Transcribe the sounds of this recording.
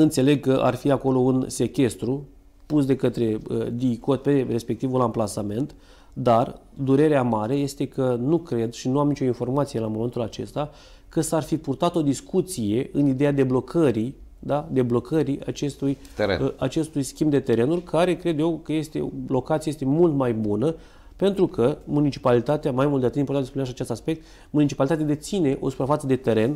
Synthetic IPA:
ɨnt̪se̞le̞ɡ̚kəʔa̰rfiako̞lo̞unse̞kʲe̞st̪ɾu | pusd̪e̞kət̪ɾe̞ə̰d̪iko̞t̪̚pe̞re̞spe̞k̚t̪ivulamplasame̞nt̪ | d̪ar | d̪uɾe̞ɾeamaɾe̞je̞st̪e̞kənukɾe̞d̪ʃinuamnit͡ʃo̞info̞rmat̪sijelamo̞me̞nt̪ulat͡ʃe̞̰st̪a | kəsarfipurt̪at̪o̞d̪iskut̪sije̞ɨnid̪e̞jad̪e̞blo̞kʰəɾi | d̪ad̪e̞blo̞kʰəɾia̰t͡ʃe̞st̪uj | t̪eḛat͡ʃe̞st̪ujskʲimbd̪e̞t̪e̞ɾe̞nurʲkʰaɾe̞kɾe̞d̪jewkəje̞st̪e̞̰o̰lo̞kat̪siajest̪emult̪majbunə | pe̞nt̪ɾukʰəmunit͡ʃi̥palit̪at̪eamajmult̪d̪at̪ɨt̪impoɾt̪at̪spuneaʃiat͡ʃest̪aspe̞k̚t̪ | munit͡ʃi̥palit̪at̪ead̪et̪sine̞ʔo̞̰su̥pɾafat̪səd̪e̞t̪e̞ɾe̞n

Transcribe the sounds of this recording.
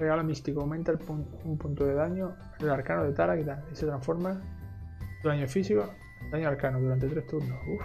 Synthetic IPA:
reɣalomist̪ikoawmẽnt̪aelpu | umpunt̪oðeðaɲo | laɾkanoðet̪aɾakit̪alise̞t̪ɾaɱfo̞ɾma | d̪uðaɲofisiko | d̪aɲoaɾkanoðuɾant̪et̪ɾeht̪uɾnohu

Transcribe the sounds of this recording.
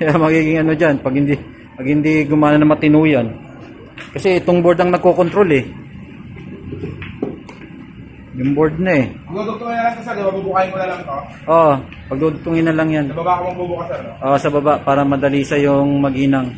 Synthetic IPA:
kɐjamɐɡiːɡɪŋɐno̞d͡ʒanpɐɡ̚hɪnd̪i | pɐɡ̚hɪnd̪iɡʊmaːnɐnɐmɐt̪ɪnuːjɐn | kɐsɛʔɪt̪oŋboɹd̪ɐŋnɐɡ̚kokont̪ɾo̞lɛ | jʊŋboɹd̪̚nɐɛpɐɡ̚d̪ut̪ʊt̪ʊŋɪnɐlasɐsɛɾɪmɐbubukajmʊnɐlɐŋt̪o | ʔo | pɐɡ̚d̪uːt̪ut̪ʊŋɪnːɐlɐŋjanɐbabakomɐɡ̚bubʊkɐsɛɾʔosɐbɐbaʔpaːɾɐmɐd̪ɐliːsɐjʊŋmɐɡiːnɐŋ

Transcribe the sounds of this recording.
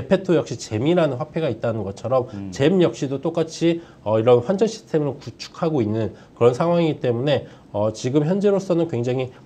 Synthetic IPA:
epʰe̞tʰojʌk̚ɕ͈it͡ɕe̞miɾanɯnɸwapʰe̞ɡait̚t͈anɯnɡʌt͡ɕʰʌɾʌmt͡ɕe̞mjʌk̚ɕ͈idot͈ok͈at͡ɕʰi | ʌiɾʌnɸwand͡ʑʌɕʰi̥stʰe̞mɯɭkut͡ɕʰu̥kʰaɡoinːɯnkɯɾʌnsʰaŋwaŋit͈e̞mune̞ | ʌt͡ɕiɡɯmjʌnd͡ʑe̞ɾos͈ʌnɯnkwe̞ŋd͡ʑaŋi

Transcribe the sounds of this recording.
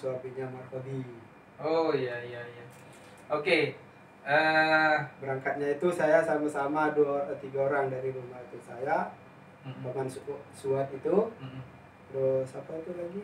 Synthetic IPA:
suapiɲamarfodi | ojaijaija | oke | ə | bəɾaŋkat̪̚ɲait̪usajasamasamaduat̪iɡaoɾaŋdaɾibəmbat̪ut̪saja | pamanssuat̪it̪u | t̪ɾʊsapait̪ulaɡi

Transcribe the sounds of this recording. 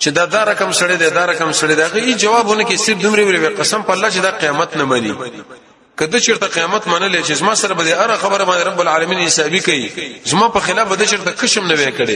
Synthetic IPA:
t͡ʃed̪ɑd̪ɑɾakamsɐɽed̪ed̪ɑɾakamsɐɽed̪eaɣəid͡ʒawɑbunəkesɪfd̪umɾeweleweqasampaːlːɑt͡ʃed̪ɑqijɑmat̪namɐnḭ | kəd̪ət͡ʃeɾt̪aqijɑmat̪mɐnəlet͡ʃezmɑsaɾabad̪eaɾaxabəɾabɑnd̪eɾabʊlʕaːlamiːnɪsɑbikawizmɑpəxɪlɑːfbad̪ət͡ʃeɾt̪akəʃəmnɐwekəɽe

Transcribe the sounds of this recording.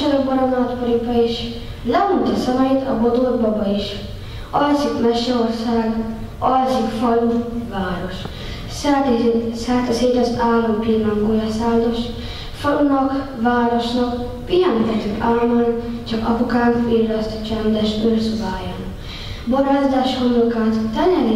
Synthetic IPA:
ɛɾøɡbɒɾɒmnɒt̪poɾipɒiʃ | lɛut̪ɒsɛmɛjit̪ɒbod̪od̪̚bɒbɒiʃ | ɒlsikmɛʃːɛorsaːɡ | ɒlsikfɒluvaːɾo̞ʃ | sɛt̪sɛːt̪ɛseːt̪ɒsaːlːompirlɒŋɡojɑsaːnd̪oʃ | fɒlunɒk | ʋaːɾoʃnɒk | pijɛnt̪ɛt̪ːykaːlmɒnt͡ʃɒkɒpukaːnfirːɛst̪t͡ʃɛnd̪ɛʃbørsubaːjaːn | boɾaːzd̪aːʃhomlokaːt̪t̪ɛnɛɾi

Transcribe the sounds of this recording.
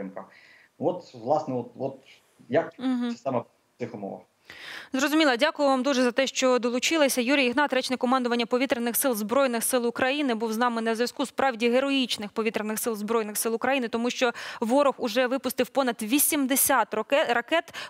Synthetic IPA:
ɪmkɐ | ɔt̪ʋlˠɑsnɛɔt̪ɔt̪ | jɐk̩ːɦsʲɪ̥st̪ɛmɐ | t̪ɪxʊmɔ̰ʋɐ̰x | zɾɔzʊmʲilˠɐdʲakʊjʊʋɑmd̪uʒɛzɐt̪ɛʃt͡ʃɔd̪ɔlˠʊt͡ʃɪlˠɐsʲɐjuɾʲijiɦnɑt̪ɾɛt͡ʃnɛkɔmɑnd̪ʊʋɐnʲːɐpɔʋʲit̪ɾenɪxsɪlˠzbɾɔjnɪxsɪlˠʊkɾɐjinɪbuwznɑmɪnɐzʲʋʲɐskuspɾɑʋdʲiɦeɾɔjit͡ʃnɪxpɔʋʲit̪ɾenɪxsɪlˠzbɾɔjnɪxsɪlˠʊkɾɐjinɪt̪ɔmuʃt͡ʃɔʋɔɾɔxʊʒɛʋɪpʊst̪ɪwpɔnɐd̪ʋʲisʲimd̪esʲat̪ɾɐkɛt̪

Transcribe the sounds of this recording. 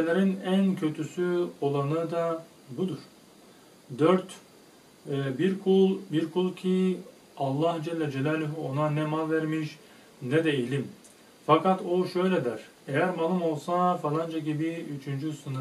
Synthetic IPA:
elʲeɾinæncʰø̞t̪ʰysyo̞lˠanɯd̪a | bud̪uɾ̥ | d̪øɾt̪ | biɾkʰulˠbiɾkʰulˠcʰi | alˠːahd͡ʒɛlʲːɛd͡ʒɛlʲæːlʲyɦuo̞nanɛmalʲˠvæɾmiʃ | nɛd̪ɛilʲim | fakʰat̪oʃø̞jlʲɛd̪æɾ̥ | ejæɾmalˠɯmo̞lˠsafalˠand͡ʒaɟibiyt͡ʃʰynd͡ʒysɯnɯ

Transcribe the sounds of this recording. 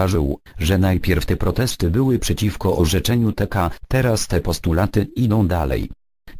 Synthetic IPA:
aʐɘw | ʐɛnajpʲjɛɾft̪ɛpɾɔt̪ɛst̪ɘbɘwɘpʂɛt͡ɕifkɔʔɔʐɛt͡ʂɛɲut̪ɛkat̪ɛɾast̪ɛpɔst̪ulat̪ɘid̪ɔ̃w̃d̪alɛ̰j

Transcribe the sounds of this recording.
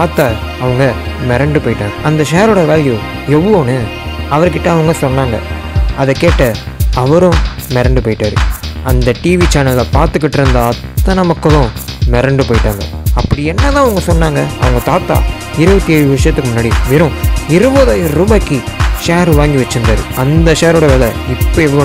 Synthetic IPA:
aːt̪aː | ɐʋɐŋɡɐmɛɾɐɳɖɯpoːjɪʈːaːŋɡɐɐnd̪ɐʃeːɾoːɽɐʋeːɭju | jɛʋoːnɯ | ɐʋɐɾkːɪʈːɐ̃ɐʋɐŋɡɐsɔnːaːŋɡɐ̰ | ɐðɛkeːʈːɐɐʋɐɾʊ̃mɛɾɐɳɖɯpoːjɪʈːaːɾɯ̰ɐnd̪ɐʈiːʋit͡ʃaːnɐllːɐpaːɾt̪ɯk̬ːɪʈːɾɯnd̪ɐɐtt̪ːɐnɐmɐkːɐʋʊ̃mɛɾɐɳɖɯpoːjɪʈːaːŋɡɐ̰ɐpːɐɽiɛnːɐt̪ãːɐʋɐŋɡɐsɔnːaːŋɡɐɐ̰ʋɐŋɡɐt̪aːt̪ːa̰ː | ɪɾɯʋɐt̪ːieːɻɯʋɐʂɐjɐt̪ːɯkːɯmʊnːaːɽiʋɪɾʊ̃ɪɾɯʋɐðaːjɾuːbaːkːiʂeːɾʋaːŋɡiʋɐt͡ʃːɯɾɯnd̪aːɾɯ̰ɐnd̪ɐʃeːɾoːɽɐʋeːlɐɪpːɐːɛʋːɐɭoː

